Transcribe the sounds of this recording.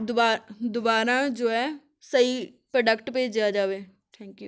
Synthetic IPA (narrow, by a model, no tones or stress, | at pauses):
d̪ʊad̪ʊbaːɾãːd͡ʒoːɦɛː | səipɾəɖəkʈpeːd͡ʒjad͡ʒaːʋeː | ʈʰɛ̃ːŋkjuː